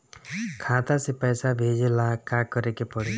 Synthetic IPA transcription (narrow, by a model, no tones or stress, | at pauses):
kʰãt̪asipajsabʱed͡ʒilakakɔɾekepɔɽi